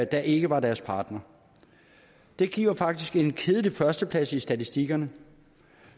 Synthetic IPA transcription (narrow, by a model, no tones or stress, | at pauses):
d̥æ̈ʔe̝ɡ̥əʋɑ̈d̥æɐspʰɑ̈ːd̥nɐ | d̥e̝ɡ̥ḭːʊɐfɑ̈ɡ̥̚d̥isɡ̥e̝nkʰeːð̞ˠəlifɶɐsd̥əpʰlæsisd̥æt͡sʰisd̥iɡ̥ɐnə